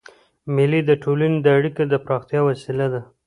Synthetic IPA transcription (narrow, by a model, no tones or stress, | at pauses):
mɪlid̪əʈolaned̪əaɽikad̪əpɾɑxt̪jɑwasilad̪a